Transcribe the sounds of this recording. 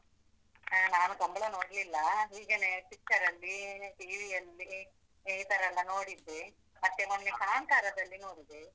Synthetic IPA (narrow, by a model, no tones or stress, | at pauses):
naːnuɡɐmbɐɭɐnoːɽlilːɐɦiːɡeːneʈikʈːɐɾɐlːiʈiːʋijɐlːi | ejt̪ɐɾɐlːɐnoːɽid̪ːe | mɐt̪ːemɐnekaaŋkaːɾɐd̪ɐlːinoːɽid̪e